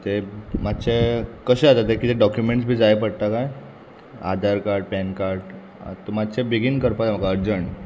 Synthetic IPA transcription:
t̪emat̪ːt͡ɕekəɕeat̪at̪ːekit̪eɖɔkjumeɳʈsbʱiːd͡zaepəɽt̪akaj | a̰d̪ʱaɾkaɾʈ̚pɛnkaɾʈ | t̪omat̪ːt͡ɕebiɡinkəɾpat̪am̤aɡaəɾd͡ʑəɳ

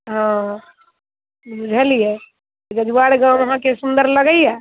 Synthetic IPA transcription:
ɦã | bud͡ʒʱəlije | d͡ʒəd͡ʒuʋaɽɡãəɦãkesũnd̪əɾləɡəjjɛ

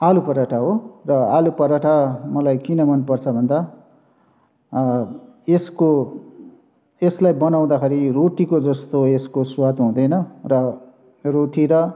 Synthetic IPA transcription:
alupʌɾaʈʰaɦorʌalupʌɾaʈʰamʌlajkinʌmʌnpʌrt͡sʰʌbʱʌnd̪a | esko | eslajbʌnaw̃d̪akʰeɾiroʈikod͡zʌst̪oeskoswat̪ɦũd̪ʌjnʌrʌ | roʈiɾʌ

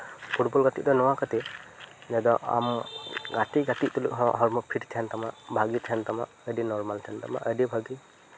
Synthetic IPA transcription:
pʰuʈbɔlɡat̪iʔ̚d̪ɔnɔwakat̪id͡ʒad̪ɔa̰mɡat̪iɡat̪iʔt̪ulṵkɦɔʔɦɔɾmɔpʰiʈt̪ʰant̪amaʔbʱaɡit̪ʰɛnt̪ama̰ʔədinɔɾmalt̪ʰant̪ama̰ʔədibʱaɡi

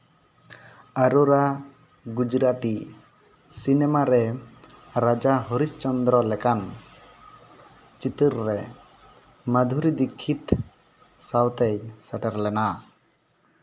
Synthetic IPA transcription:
aɾuɾa | ɡud͡ʒɾaʈi | sinɛmaɾɛ | ɾad͡ʒaɦɔɾist͡ʃɔnd̪ɾɔlɛkan | t͡ʃit̪əɾːɛ | mad̪ʱuɾid̪ikʰːit̪ | sawt̪ɛjsaʈɛɾlɛna

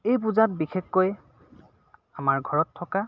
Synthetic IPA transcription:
ejp̬uzat̚bixexːoj | amaɹɡʱɔɹɔtʰːɔka

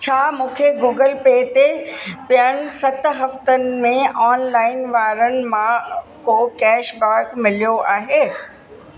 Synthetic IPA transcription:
t͡ɕʰaːmũːkʰeɡuːɡəlpeːt̪epɪjəɽ̃ɪ̆sɐt̪ɦɐft̪ənɪ̆mẽɔːnlaːɪnʋaːɾənɪ̆mãkokɛːʃbaːɾkmɪlijoʔaːɦeː

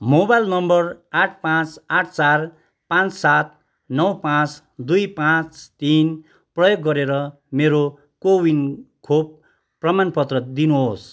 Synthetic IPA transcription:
mobajlnʌmbʌraʈʰpãt͡saʈʰt͡sar | pãnt͡ssat̪̚ | nʌwpãt͡s | d̪ujpãt͡st̪in | prʌjoɡːʌɾeɾʌ | meɾo | kowinkʰob̚ː | rʌmanpʌt̪rʌd̪inuɦos

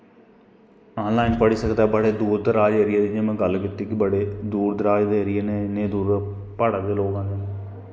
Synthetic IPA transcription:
aːnlaːɪnpəɽisəkd̪aːbəɽeːd̪uːɾd̪ɾaːd͡ʒɐɾijed̪ɪɲẽmɛ̃ɡɐlːkɪt̪ːekibəɽeːd̪uːɾd̪ɾaːd͡ʒd̪eɾijenenẽːd̪uːɾ | pəɽəkd̪eːloːkãːd̪e

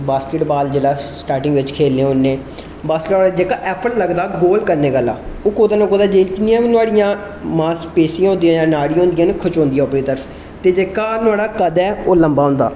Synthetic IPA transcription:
baːskɪʈbaːld͡ʒeːlaːsʈaːɾʈɪ̃ŋɡʋɪt͡ʃkʰeːlːẽːʊnːẽː | baːskɪʈbaːd͡ʒeːkaːʔɛːpʰəɾləɡd̪aːɡoːlkəɾneːɡəlːa̰ːoːkoːd̪aːnõkoːd̪aːd͡ʒekɪniãːʋinʊaːɽɪjãː | mãːspeːsiãɦõnd̪ijãːjãːnaːɽiõːnd̪ijãːnkʰʊt͡ʃɦõːnd̪ijɛ̃ːʊpɽiːt̪əɾəf | t̪eːd͡ʒeːkaːnʊaːɽaːkəd̪ɛːoːləmbaːɦõːnd̪a̰ː

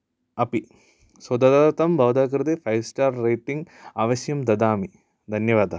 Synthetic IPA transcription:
ɐpi | swɐd̪ɐd̪at̪ɐmbʱɐʋd̪aːk̬ɾt̪efɐjsʈaːɾːejʈiŋɡaːʋɐʃjɐmd̪ɐd̪aːmi | d̪ʱɐnjɐʋaːd̪ɐ

